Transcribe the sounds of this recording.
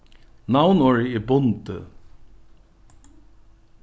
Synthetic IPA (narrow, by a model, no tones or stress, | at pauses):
nawnɔːɹɪɪbʊnt̪ə̰